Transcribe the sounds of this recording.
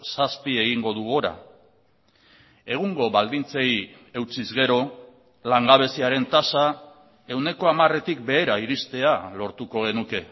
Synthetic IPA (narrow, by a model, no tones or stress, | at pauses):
saspie̞ɣ̞iŋɡo̞ðuɣo̞ɾa̰ | e̞ɣ̞uŋɡo̞βald̪int͡se̞j | e̞wt͡sizɣe̞ɾo̞ | laŋɡaβ̞e̞siaɾe̞nt̪asa | e̞wne̞ko̞amare̞t̪ik̚be̞ːɾaiɾist̪e̞alo̞ɾt̪uko̞ɣ̞e̞nuke̞